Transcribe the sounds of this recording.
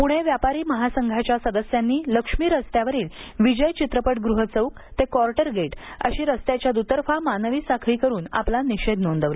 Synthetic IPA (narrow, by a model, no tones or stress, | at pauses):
puɽ̃eʋjapaɾiːməɦasəŋɡʱat͡ɕjasəd̪əsjanːiːləkʂmiːɾəst̪jaʋəɾiːlʋid͡ʑəjt͡ɕit̪ɾəpəʈɡɾuɦət͡səuk | t̪ekɔɾʈəɾɡʱeʈə̰ɕiːɾəst̪jat͡ɕjad̪ut̪əɾfamanəʋiːsakʰɭiːkəɾuːna̰planiɕed̪nond̪əʋle